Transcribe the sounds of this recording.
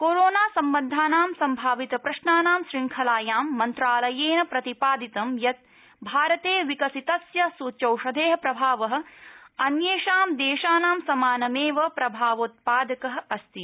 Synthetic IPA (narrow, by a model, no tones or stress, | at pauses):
koːɾoːnaːsɐmːɐnd̪ʱaːnaːmsɐmbʱaːʋit̪ɐpɾɐʃnaːnaːmʃɾiŋkʰɐlaːjaːmːɐnt̪ɾaːlɐjeːnɐpɾɐt̪ipaːd̪it̪ɐmjɐt̪̚ | bʱaːɾɐt̪eːʋikɐsit̪ɐsjɐsuːt͡ʃɐwʃɐd̪ʱeːɦɐ̆pɾɐbʱaːʋɐɦɐ̆ɐnjeːʃaːmd̪eːʃaːnaːmsɐmaːnɐmeːʋɐpɾɐbʱaːʋoːt̪̚paːd̪ɐkɐɦɐ̆ɐst̪i